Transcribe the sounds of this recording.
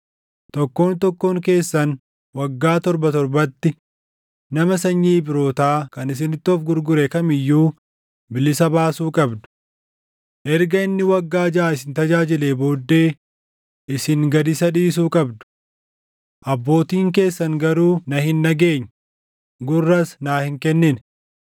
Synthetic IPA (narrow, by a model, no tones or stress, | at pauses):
t̪ɔkːo̞ːnt̪ɔkːoːŋke̞ːsːɐn | wɐɡːaːt̪ɔɾbɐt̪ɔɾbɐt̪ːɪ | nɐmɐsɐɲːiːbɪɾo̞ːt̪aːkɐnɪs̬ɪnɪt̪ːɔːfɡʊɾɡʊɾɛkɐmɪjːuː | bɪlɪsɐbaːsuːkʼɐbd̪ʊ̥ | ʔɛɾɡɐɪnːɪwɐɡːaːd͡ʒaːɪsɪnt̪ɐd͡ʒaːd͡ʒɪleːbo̞ːd̪ːe̞ː | ʔɪsɪŋɡɐd̪ɪsɐᶑiːs̬uːkʼɐbd̪ʊ̥ | ʔɐbːo̞ːt̪iːŋk̬e̞ːsːɐŋɡɐɾuːnɐhɪnːɐɡe̞ːɲː | ɡʊrːɐsnaːhɪŋkɛnːɪn